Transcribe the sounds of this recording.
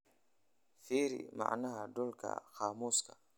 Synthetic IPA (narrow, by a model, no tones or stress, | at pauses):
fiːɾḭma̰ʕnahadɔlkʰa̰xaːmuːskʰḁ